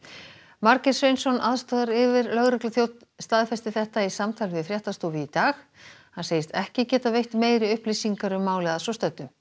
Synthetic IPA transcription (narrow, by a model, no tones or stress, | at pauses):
maɾkɛ̥svejnsɔnaðst̪ɔːðaɾɪvɪɾlœɣɾɛklʏθjowt̪nst̪aðfɛst̪ɪθɛht̪aisamt̪ʰajlvɪðfɾjɛht̪ast̪owvɪit̪aːx | hanseːjɪst̪ɛhcɪcɛːt̪avejht̪meːjɾɪʏhplisiŋkaɾʏmːaːwlɛɣðasɔst̪œt̪ːʏm